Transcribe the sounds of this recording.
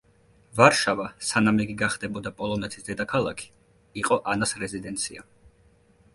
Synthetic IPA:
vaɾʃavasanamɛɡiɡaχd̪ɛbɔd̪apʼɔlˠɔnɛt̪ʰi̥sd̪ɛd̪akʰalˠa̰kʰi̥ | iqʼɔʔanasɾɛzid̪ɛnt̪sʰia

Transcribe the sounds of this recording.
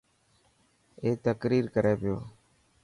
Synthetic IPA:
eːt̪əkɾiːɾkəɾeːpɪjoː

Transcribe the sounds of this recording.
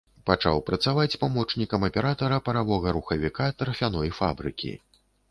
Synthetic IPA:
pat͡ʂa̰wpɾɐt̪savat͡sʲpamɔt͡ʂnʲikɐmɐpʲɛɾat̪ɐɾɐpɐɾavɔɣɐɾuxɐvʲikat̪ɾɐfʲanɔjfa̰bɾɨ̰kʲʰḭ

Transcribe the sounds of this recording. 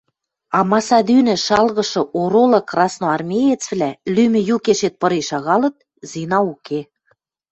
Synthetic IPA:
ɑmɑsɑd̪ynɘ̆ʃɑlɣɤ̆ʃɤ̆ʔoɾolɤ̆krɑsnoɑrmʲejet͡svlælymɘ̆jukeʃet̪̚pɤ̆ɾiʃɑɣɑlɤ̆t̪̚ | zinɑukʰe

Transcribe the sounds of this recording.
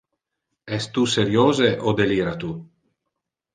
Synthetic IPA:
ɛst̪useɾjoːzeʔod̪eliːɾat̪u

